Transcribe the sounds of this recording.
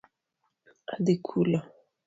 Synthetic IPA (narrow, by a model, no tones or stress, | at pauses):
ad̪ekʰula